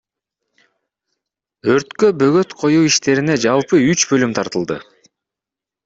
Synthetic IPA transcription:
ø̞ɾt̪købø̞ɡø̞t̪qʰo̞juːiʃt̪e̞ɾine̞d͡ʒɑlˠpɯyt͡ʃbø̞lymt̪ʰɑɾt̪ɯlˠd̪ɯ̰

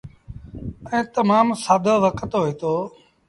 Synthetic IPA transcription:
ɛ̃ːt̪əmaːmsaːd̪ʱoːʋəkət̪ɦoɦiːt̪oː

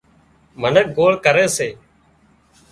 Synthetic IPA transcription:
mənək̚ɡoːɭkəɾeːseː

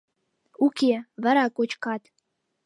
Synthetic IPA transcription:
ukʲeβæ̆ɾɑkot͡ɕkɑt̪

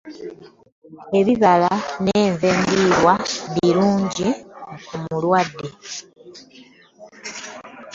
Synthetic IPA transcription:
e̞βiβalaneːɱveːmbiɾwaβiɾuːɲɟikumulwadːe̞

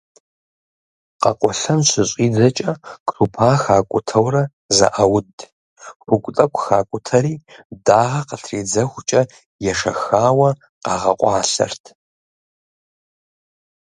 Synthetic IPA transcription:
qɐ̰qʷʼɔɬɐmɕʷɪɕʼiːd͡zɐt͡ʃʼɐkʼrupʰaːxaːkʷʼʊtʰɐwrɐ | zɐ̰ʔɐwʊd | ħʷʊkʷʊt͡sʼɐkʷʼxaːkʷʼʊtʰɐɾiːdaːʁɐqəɬʰreːd͡zɐxʷt͡ʃʼɐ | jɛʂɐ̰xaːwɐ | qɑːʁɐqʷʼɑːɬɐ̰rtʰ

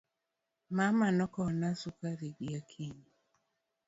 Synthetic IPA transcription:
mamanɔkɔnasukaɾiɡiakʰiɲ

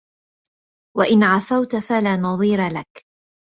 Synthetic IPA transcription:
waʔɪnʕafawt̪afalaːnɑðˤiːɾalak

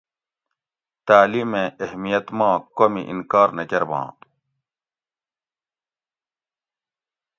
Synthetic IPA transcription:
t̪aːliːmẽːehmijɐt̪mãːkomḭʔḭnkaːɾnɐkɐɾbã̰ː

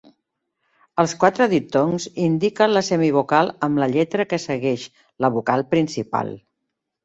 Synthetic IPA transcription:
əlˠskwat̪ɾəðit̪oŋzind̪ikənləsɛmiβ̞ukalˠəmləʎɛt̪ɾəkəsəɣɛʃ | ləβ̞ukalˠpɾinsipa̰lˠ

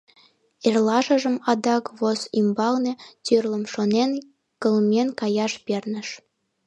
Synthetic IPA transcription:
erlɑʒə̆ʒə̆mɑd̪ɑkβosimbɑlnet̪yrlə̆mʃonen | kə̆lmʲenkɑjɑʃpernə̆ʃ

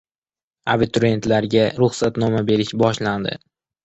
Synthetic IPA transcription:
abit̪ʰɾe̞nt̪laɾɡʲaɾʊχsat̪nɒmabe̞ɾɪʃbɒʃland̪ɪ̰

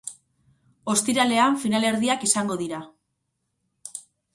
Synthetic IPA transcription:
o̞st̪iɾale̞aɱfinale̞ɾðiakisaŋɡo̞ðiɾa

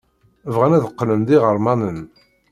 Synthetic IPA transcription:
vʁænæðəqːnənðiʁəɾˤmɑnən

